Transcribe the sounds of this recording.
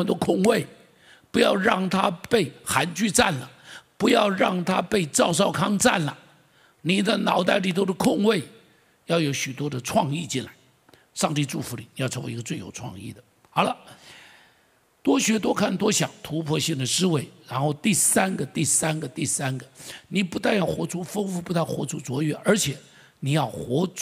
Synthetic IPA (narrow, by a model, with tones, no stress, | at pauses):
ə˨˩nt̪wɔ˥˧kʰʊ˥˧ŋwe˥˩ɪ | pu˧˥jɑ˥˧ʊɻɑ˥˩ŋt̪ʰa˥pe˥˩ɪxa˧˥nt͡ɕy˥˧ʈ͡ʂa˥˩nlə˩pu˧˥jɑ˥˧ʊɻɑ˥˩ŋt̪ʰa˥pe˥˧ɪʈ͡ʂɑ˥˧ʊʂ̬ɑ˥˩ʊkʰɑ˥ŋʈ͡ʂa˥˩nlə˩ | ni˨˩t͡sa˥˩ɪnɑ˨˥ʊt̪a˥˩ɪli˨˩t̪o˥d̪ə˧kʰʊ˥˧ŋwe˥˩ɪ | jɑ˥˩ʊjo˧˥ʊɕy˨˩t̪wɔ˥d̪ə˨ʈ͡ʂʰwɑ˥˧ŋi˥˧t͡ɕi˥˩nla˧˥ɪ | ʂɑ˥˧ŋt̪i˥˧ʈ͡ʂu˥˩fu˧˥li˨˩ni˨˩jʈ͡ʂʰwe˧˥ɡə˧t͡swe˥˩ɪjo˨˩ʊʈ͡ʂʰwɑ̰˥˧ŋḭ˥˩d̪ə˩ | xɑ˨˥ʊlə˧ | t̪wɔ˥ɕɥɛ˧˥t̪wɔ˥ʊkʰa˥˩nt̪wɔ˥ɕjɑ˨˩ŋt̪ʰu˧˥pʰwɔ˥ɕi˥˩ŋd̪ə˩ʂɻ̩˥we˥˩ɪɻa˧˥nxo˥˧ʊt̪i˥˩sa˥nɡə˨t̪i˥˩sa˥nɡə˨t̪i˥˩sa˥nɡə˨ni˨˩pu˧˥t̪a˥˧njɑ˥˩ʊxwɔ˧˥ʈ͡ʂʰu˥fɤ˥ŋfu˥˩pu˧˥t̪a˥˩nxwɔ̰˧˥ʈ͡ʂʰu˥t͡swɔ˧˥ɥɛ˧˥˦ʔə˞˧˥t͡ɕʰjɛ˨˩˦ | ni˨˩jɑ˥˩ʊxwɔ˧˥